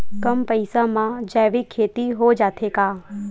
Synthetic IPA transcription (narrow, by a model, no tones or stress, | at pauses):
kəmpəɪsamãd͡ʒaːʋikʰːeːt̪iɦod͡ʒaːt̪ʰekaː